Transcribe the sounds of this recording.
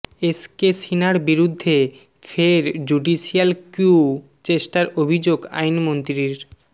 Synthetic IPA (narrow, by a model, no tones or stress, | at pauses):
eskesinaɾbiɾud̪ʱːe | fʰeɾd͡ʑuɖiʃialkju | t͡ɕeʃʈaɾobʱid͡ʑoɡa̰jnmont̪ɾiɾ